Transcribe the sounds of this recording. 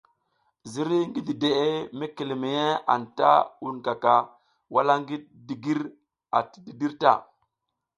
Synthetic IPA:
zi˦ɾi˦ŋɡi˦di˨de˨ʔe˦me˦ki˨le˨me˨je˦a̰˨nta̰˦wu˦˨nka˨ka˨ | wa˦la˦ŋɡi˦ | di˨ɡi˦ɾ | a˨ti̥˨di˨di˦ɾta̰˦˨

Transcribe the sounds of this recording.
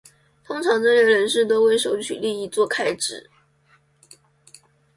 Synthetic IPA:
t̪ʰʊ˥ŋʈ͡ʂʰɑ˧˥ŋʈ͡ʂə˥˩˧ɻə˧˥nʂɻ̩˥˩t̪o˥ʊwe˥˩ɪʂo˧˥ʊt͡ɕʰy̰˨˩li˥˧i˥˧t͡swɔ˥˩kʰa˥ɪʈ͡ʂɻ̩˨˩˦

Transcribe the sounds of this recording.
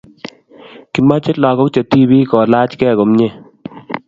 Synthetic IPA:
ki˨ma˦t͡ʃɪ˦la˨kɔ˦k̚t͡ʃa˨t̪i˦bi˦kɔ˨la˦t͡ʃkɛ˦˨ɡo˨mɲe˦˨

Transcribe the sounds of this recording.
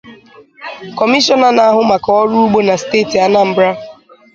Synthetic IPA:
kɔ˨mi˦ʃɔ˦na˨na˨a˦ɦʊ˦ma˨kɔ˨ɔ˦ɾu˦u˦ɡ͡bo˦na˨steː˦˨ti˨a˨na˦m̩˨bɾa˦

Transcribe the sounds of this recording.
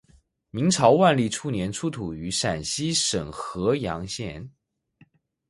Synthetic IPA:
mi˧˥ŋʈ͡ʂʰɑ˧˥ʊwa˥˧nli˥˩ʈ͡ʂʰu˥njɛ˧˥nʈ͡ʂʰu˥t̪ʰu˨˩y˧˥ʂa˨˩nɕi˥ʂə˨˩ŋxɤ˧˥jɑ˧˥ŋɕjɛ˥˩n

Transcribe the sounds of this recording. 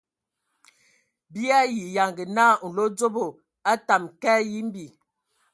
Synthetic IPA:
bi˦a˦ji˨ja˨ŋɡə˨naː˦n̩˨lo˦d͡zo˦bo˨ | a˦ta˨mkɛ˦ji˦m˦bi˨

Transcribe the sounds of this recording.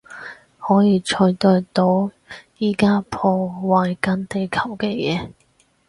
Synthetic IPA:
hɔː˨˥jiː˧t͡ʃʰɔː˧jt̪ɔː˧jt̪o˨˥w | jiː˥˩kaː˥pʰɔː˧waː˨˧jkɐ˨˧˥nt̪e˨jkʰɐ˨˩wkɛː˧jɛː˨˦

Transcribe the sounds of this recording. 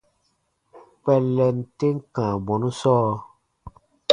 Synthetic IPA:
pɛ˨lɛ˨nte˦ŋ˦kã˨bɔ˨nu˦sɔː˦

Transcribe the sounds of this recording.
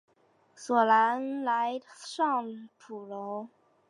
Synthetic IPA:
swɔ˨˩la˧˥nla˧˥ɪʂɑ˥˩ŋpʰu˨˩lo˧˥ʊ

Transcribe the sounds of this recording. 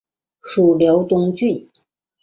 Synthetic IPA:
ʂu˨˩ljo˧˥ʊt̪ʊ˥ŋt͡ɕy˥˩

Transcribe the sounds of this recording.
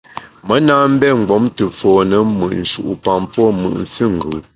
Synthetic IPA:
mə˦naː˦m̩˦bɛ˦ŋ̩˨ɡ͡bɔ˨˦mtə˨fɔː˨nə˦mɨ̰˨ʔn̩˨ʃu˨ʔu˨pa˨mpwɔ˦mɯ̰˨ʔn̩˨fi˦˨ŋ˨ɡɯ˨

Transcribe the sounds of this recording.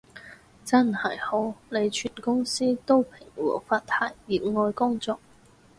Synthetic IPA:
t͡sɐ˥nhɐ˨˩jho˨˥wle˨˧jt͡ʃʰyː˨˩nkʊ˥ŋsiː˥t̪o˥wpʰɪ˨˩ŋwɔ̰ː˨˩faː˧t̪ʰaː˨˩jːiː˨˩t̚ŋɔː˧jkʊ˥ŋt͡sɔː˧k̚

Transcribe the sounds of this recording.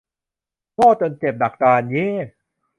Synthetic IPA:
kɔː˥˩t̪ɤ˧nt͡ɕe˨˩p̚na˨˩k̚t̪aː˧njeː˦˥˩

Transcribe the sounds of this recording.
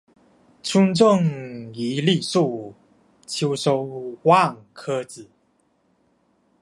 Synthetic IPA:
t͡sʰu˥˦ŋt͡so˥˨ŋi˨˦li˥˨su˥˨˩ | t͡ɕʰu˧˥wso˧˥ʊwa˥˨ŋkʰə˦t͡sɹ̩˨˩˦

